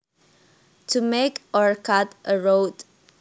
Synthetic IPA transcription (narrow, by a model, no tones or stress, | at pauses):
tʰumekɔɹkʰatʔəɹoʊd